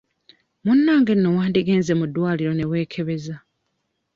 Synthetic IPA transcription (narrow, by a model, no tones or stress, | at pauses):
munːaːŋɡe̞nːo̞waːndiɡeːnze̞mudwaːliɾo̞ne̞βwe̞ːkʰe̞βe̞za